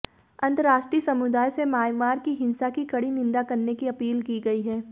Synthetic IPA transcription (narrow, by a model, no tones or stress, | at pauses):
ɐ̃nt̪əɾaːʃʈɾiːsɐmʊd̪aːjsemaːjmaːɾkiɦɪ̃nsakikɐɽinɪ̃nd̪akɐɾnekiɐpiːlkiɡɐiɦɛː